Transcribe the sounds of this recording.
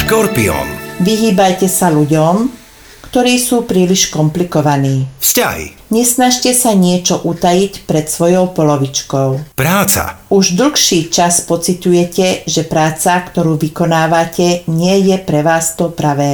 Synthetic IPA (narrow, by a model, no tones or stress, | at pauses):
ʃkɔɾpiɔ̰nʋiɦiːbajcɛsaluɟɔm | kt̪ɔɾiːsuːpɾiːliʃkɔmplikɔʋaniːfsca̰ɦḭ | ɲɛsnaʃcɛsaɲɪɛt͡ʃɔʔut̪ajicpɾɛt̪sʋɔjɔʊpɔlɔʋit͡ʃkɔʊpɾaːt͡sa̰uʒd̪l̩xʃiːt͡ʃaspɔt͡sit̪ujɛcɛʒɛpɾaːt͡sakt̪ɔɾuːʋikɔnaːʋacɛɲɪɛjɛpɾɛʋaːst̪ɔpɾaʋɛː